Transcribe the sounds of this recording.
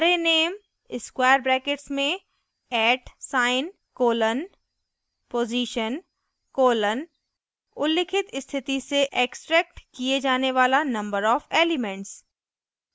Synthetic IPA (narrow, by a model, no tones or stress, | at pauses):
ɾeneːm | ɪskwaːjəɾbɾɛːkɪʈsmẽ | ɛːʈsaːɪn | koːlən | poːziːʃən | koːlən | ʊlːɪkʰɪt̪ɪst̪ʰɪt̪iseʔeːksʈɾɛːk̚ʈkied͡ʒaːneʋaːlanɐ̃mbəɾɔːfeːlɪmɛ̃ɳʈs